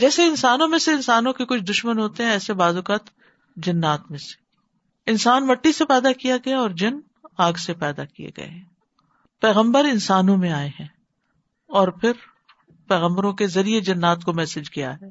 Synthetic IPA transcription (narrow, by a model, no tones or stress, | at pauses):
d͡ʒɛːseɪnsaːnõmẽseɪ̃nsaːnõkekʊt͡ʃʰd̪ʊʃmənɦoːt̪eɦɛ̃ɛːsebaːzʊkaːt̪ | d͡ʒɐnːaːt̪mẽse̥ | ɪnsaːnmɐʈːisepɛːd̪akijaɡɐjaɔːɾd͡ʒɐn | aːɡsepɛːd̪akijḛɡɐ̰ḛɦɛ̃ː | pɛːɣə̃mbəɾɪnsaːnõmẽaːeɦɛ̃ː | ɔːɾpʰɪɾ | pɛːɣə̃mbəɾõkezɐɾied͡ʒɐnːaːt̪komɛːsɪd͡ʒkija̰ɦɛː